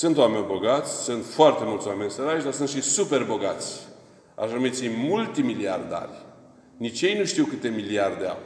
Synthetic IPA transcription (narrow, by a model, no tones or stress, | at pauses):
sɨnt̪wamenʲbo̞ɡat̪sʲsɨnt̪foart̪e̞mult̪sowamenʲsəɾaʃd̪aɾsɨnt̪ʃisupe̞rbo̞ɡat̪sʲ | a̰ʃanumit̪sʲimult̪imiliard̪a̰rʲ | nit͡ʃje̞jnuʃt̪iwkɨt̪e̞miliard̪ea̰